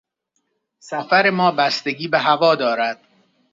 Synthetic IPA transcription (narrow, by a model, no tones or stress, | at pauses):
sæfæɾe̞mɒːbæst̪e̞ɡiːbeɦævɒːd̪ɒːɾæd̪̥